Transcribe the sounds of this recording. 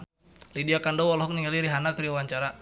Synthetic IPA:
lidiakandɔwɔlɔɦɔk̚niŋaliɾiɦanakəɾiawaɲt͡ʃaɾa

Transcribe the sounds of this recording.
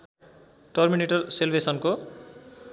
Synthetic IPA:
ʈʌrmineʈʌrselbesʌnko

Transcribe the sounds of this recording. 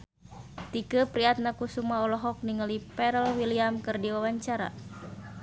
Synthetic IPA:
t̪ikəpɾiat̪̚nakusumaɔlɔɦɔk̚niŋəlipɛɾəlwiliamkɨrdiwawaɲt͡ʃaɾa̰

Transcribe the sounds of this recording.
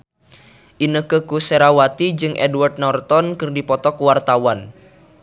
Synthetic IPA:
ʔinəkəkusɛɾawat̪id͡ʒɨŋʔɛdward̪̚nɔrt̪ɔnkɨrdipɔt̪ɔkuwart̪awan

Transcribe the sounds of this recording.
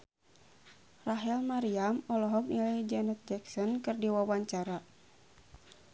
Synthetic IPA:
raɦɛlmaɾiamɔlɔɦɔk̚nilɛd͡ʒɛnɛt̪̚d͡ʒɛksɔnkɨrdiwawaɲt͡ʃaɾa

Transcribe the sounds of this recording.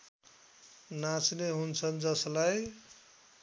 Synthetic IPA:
nat͡sneɦunt͡sʰʌnd͡ʒʌslaj

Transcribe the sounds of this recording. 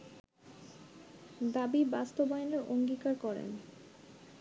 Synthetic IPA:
d̪abibast̪obajneɾʔoŋɡikaɾkɔɾḛn

